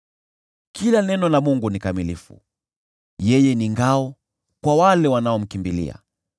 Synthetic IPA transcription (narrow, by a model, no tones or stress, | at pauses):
kilanɛnɔlamuŋɡunikamilifṵ | jɛjɛniŋɡaɔ | kwawalɛwanaɔm̩kimbilḭa̰